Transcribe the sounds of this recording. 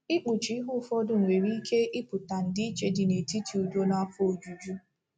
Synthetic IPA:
ɪ˦k͡pu˨t͡ʃi˨˦i˦ɦʊ˦˨fɔ˦dʊ˨ŋ̩˨we˨ɾi˦kʰe˦ʔɪ˦pʊ˨ta˨n̩˨dɪ˦i˦t͡ʃe˦dɪ˨ne˨ti˦tʰi˨u˨do˦na˦fo˨d͡ʒu˨d͡ʒu˦

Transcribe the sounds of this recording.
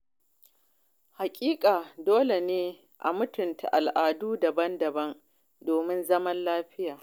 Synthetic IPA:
ha˨kʲʼiː˦kʼaː˨doː˦le˨neː˦ | ʔa̰˨mʊ˦tʊ˨nta̰˨ʔa˨lʔaː˨duː˦dɐ˨bɐ˦ndɐ˨bɐ˦ŋ | doː˨mɪ˦nzɐ˦mɐ˦nlaː˦ɸɪ˦jaː˨

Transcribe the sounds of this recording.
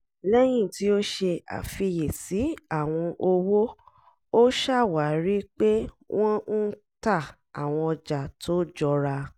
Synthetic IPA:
lɛ˦j̃ĩ˦˨ti˨˦o˦ʃe˧a̰˨fi˧je˨si˨˦a˦˨w̃ɔ̃˧ʔo˧wo˦ | o˦ʃa˦˨wa˨˦ɾi˦k͡pe˦ | wʔɔ̃˦n̩˦ | ta˦˨ | a˨w̃ɔ̃˧ɔ˧d͡ʒa˨tʰo˦d͡ʒɔ˧ɾa˧

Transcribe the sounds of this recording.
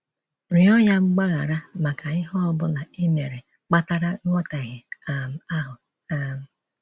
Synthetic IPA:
ɾɪ˨ɔ˦ɲa˦ŋ͡m̩˦ɡ͡ba˦ɣa˨ɾa˦ma˨ka˨ɪ˦ɦɔ˦ɔ˦bʊ˦na˨i˦me˨ɾe˨ | k͡pa˦ta˦ɾa˦ŋʷɔ˦ta˨ɣɪ˨a˨m̩˨a˦ɦʊ˨ | a˦m̩˨

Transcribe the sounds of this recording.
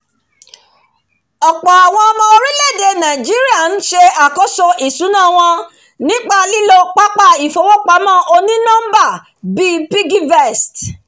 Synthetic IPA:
ɔ˨k͡pɔ˨a˨w̃ɔ̃˧ɔ˧mɔ̃˧o˧ɾĩ˦le˦˨de˧nã˨d͡ʒi˦ɾi˦a˦˨n̩˦ʃe˧a˨kɔ˦so˧ʔi˨sũ˨˦nã˦˨w̃ɔ̃˧ | nĩ˦k͡pa˧li˦lo˦k͡pa˦k͡pa˦˨i˨fo˧˦wɔ˦k͡pa˧˦mãː˦˨ʔo˧nĩ˦nã˦m˦ba˦˨ | bi˦pi˦ɡi˦vɛ˦˨st

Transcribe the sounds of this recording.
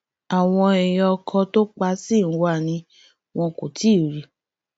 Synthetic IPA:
a˨w̃ɔ̃˧ɛ˨j̃ɔ˧kʰɔ̃˧to˦k͡pa˧˦si˦˨˦wa˦˨nĩ˧ | w̃ɔ̃˧ko˨ti˨˦˨ɾi˨

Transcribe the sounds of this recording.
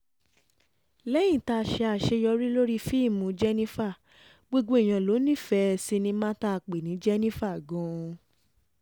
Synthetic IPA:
lɛ˦j̃ĩ˦˨ta˧˨ʃɛ˧a˧˨ʃe˧jɔ˧ɾi˦lo˦ɾi˦fi˦˨mũ˨˦d͡ʒɛ˦nĩ˦fa˦˨ | ɡ͡bo˧ɡ͡bo˧˦i˦˨j̃ã˨lo˨˦nĩ˦˨fɛ˨˦˧si˧nĩ˧mã˦ta˦˧˨k͡pe˨nĩ˨˦d͡ʒɛ˦nĩ˦fa˦˨ɡɔ̃˨˦˧

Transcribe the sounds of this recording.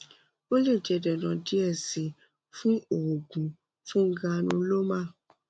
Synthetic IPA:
o˦le˦˨d͡ʒɛ˧˨dɛ˨nã˨di˦ɛ˦˨si˨ | fũ˦o˨o˨ɡũ˨ | fũ˦ŋ̩˦ɡã˧nũ˧˦lo˦mã˦˨

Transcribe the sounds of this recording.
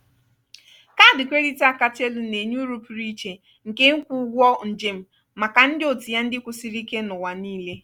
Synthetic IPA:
ka˦˨dɪ˨kʷe˦ɾi˦ta˦ka˨te˦lu˨ne˨ɲu˦ɾu˦pɾi˦t͡ʃe˨ | ŋ̩˨ke˦ŋ̩˦kʷu˦ɡʷɔ˦n̩˨d͡ʒe˨m̩˦ | ma˨ka˨n̩˦dɪ˦o˨ti˨ja˦n̩˦dɪ˦kʷʊ˨si˦ɾi˦ke˦nʊ˨wa˨niː˦le˦

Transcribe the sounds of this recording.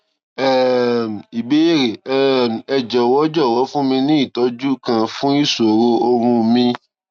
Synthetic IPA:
ɛ˦˨m˨i˨be˦e˦˨ɾe˨ɛ˦˨ɛ˨d͡ʒɔ˨wɔ˨˦d͡ʒɔ˦˨wɔ˨˦fũ˦mĩ˧nĩ˦i˦˨tɔ˨˦d͡ʒu˦kã˧fũ˦i˦˨so˨ɾo˧o˧ɾũ˧mĩ˧

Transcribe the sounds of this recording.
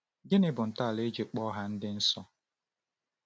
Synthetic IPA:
ɡɪ˦nɪ˦bʊ˨n̩˨ta˦˨le˦d͡ʒe˨k͡pɔ˦ɦa˦n̩˦dɪ˦n̩˦sɔ˦

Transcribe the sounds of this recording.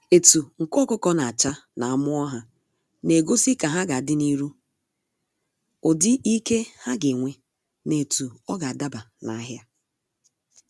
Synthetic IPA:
e˨tu˨ŋ̩˨kɔ˦kʊ˦kɔ˦na˨a˨t͡ʃa˦na˨a˨mʊ˦ɔ˦ɦa˨ | ne˨ɡo˦si˦ka˨ɦa˦ɡa˨dɪ˦ni˦ɾu˦ | ʊ˨dɪ˦i˦ke˦ha˦ɡe˨ŋʷe˨ | ne˨tu˨ɔ˦ɡa˨a˨da˦ba˨na̰˨˦ɦja˦

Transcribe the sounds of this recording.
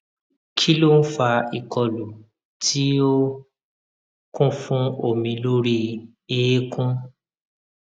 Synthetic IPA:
kʰi˦lo˦n̩˦fa˧i˨kɔ˧lu˨ | tʰi˦o˦ | kũ˦fũ˦o˦˨mĩ˨˧lo˦ɾi˧ | e˨e˦kũ˦

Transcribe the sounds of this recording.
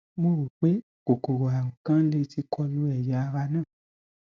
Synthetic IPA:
mo˧ɾu˨k͡pe˨˦ | ko˨ko˨ɾo˨a˨ŋũ˨kã˦le˧˦ti˧kʰɔ˧lu˨˦ɛ˦˨ja˨˦a˧wa˧˦nãː˦˨

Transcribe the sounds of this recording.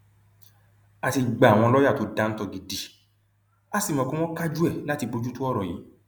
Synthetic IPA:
a˨ti˧ɡ͡ba˨w̃ɔ̃˧lɔ˦ja˦˨to˨˦dã˨˧n̩˦tɔ˦˨ɡi˨di˨ | a˦si˦˨mã˨kũ˦w̃ɔ̃˦ka˦d͡ʒu˦ɛ˦˨la˦ti˧bo˧d͡ʒu˦tu˦ɔ˦ɾɔ˨jḭ˨˦

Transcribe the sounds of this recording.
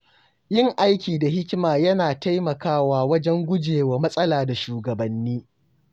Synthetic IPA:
jɪ˦˨ŋʔa˦jkʲiː˨da˨ɦɪ˦kʲɪ˦maː˨jɐ˦naː˨ta˦jmɐ˨kaː˦waː˦wɐ˦d͡ʒɛ˦ŋɡʷʊ˦d͡ʒeː˨waː˨mɐ˦sʼɐ˦laː˨da˨ʃuː˨ɡɐ˨bɐ˨nːiː˦

